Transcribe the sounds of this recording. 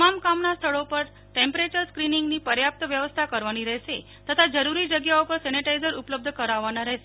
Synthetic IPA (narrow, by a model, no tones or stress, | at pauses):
mamkamnast̪ʰəɭopəɾ | ʈẽmpɾet͡ʃəɾskɾiniŋɡnipəɾjap̚t̪əʋjəʋəst̪ʰakəɾʋaniɾɛɦʃe | t̪ət̪ʰad͡ʒəɾuɾid͡ʒəɡjaopəɾsɛniʈaizəɾupləb̚d̪ʱəkəɾaʋːanaɾəɦʃe